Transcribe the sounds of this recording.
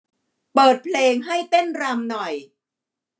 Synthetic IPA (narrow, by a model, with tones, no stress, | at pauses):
pɤː˨˩t̪̚pʰleː˧ŋɦa˥˩jt̪e˥˩nɾa˧mnɔ˨˩j